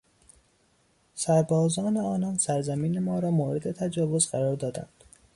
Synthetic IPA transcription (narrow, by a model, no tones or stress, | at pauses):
sæɾbɒːzɒːne̞ɒːnɒnsæɾzæmiːne̞mɒːɾɒːmoːɾed̪e̞t̪ʰæd͡ʒɒːvo̞zɢæɾɒːɾd̪ɒːd̪æ̰nd̪̥